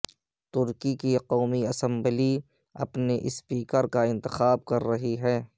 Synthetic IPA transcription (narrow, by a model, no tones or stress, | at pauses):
t̪ʊɾkikiqoːmiɐsə̃mbəli | ɐ̰pneʔɪspiːkəɾkaɪ̃nt̪ɪxaːb̚kɐɾːɐɦiɦɛː